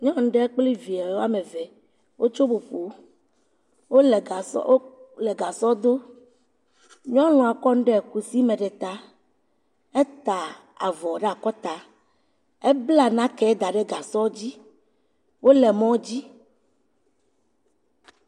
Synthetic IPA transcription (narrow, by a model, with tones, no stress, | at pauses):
ɲɔ̃˦ŋ̩˦ɖɛ˦k͡pli˦vi˨a˨wo˦a˦me˨vɛ˨ | wʔo˦t͡ʃo˦bo˨ɸo˨˦ | wo˦lɛ˨a˨so˦lɛ˨ɡa˨sɔ˦d̪o˦ | ɲɔ̃˦lɔ̃˨a˨kɔ˦ñ̩˦ɖɛ˦˨ku˨si˦mẽ˨ɖɛ˨t̪a˨˦ | e˦t̪a˨ | a̰˨vɔ˨ɖe˦a˨kɔ˦t̪a˨ | e˦bla˨nã˦kɛ˦d̪a˨ɖe˦ɡa˨sɔ˦d͡ʑi˦ | wo˦lɛ˨mɔ̃˦d͡ʑi˦